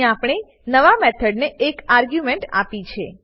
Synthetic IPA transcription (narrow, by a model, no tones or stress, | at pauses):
ãapɽ̃e | nəʋamet̪ʰəɖneːkaɾɡjumeɳʈa̰pit͡ʃʰe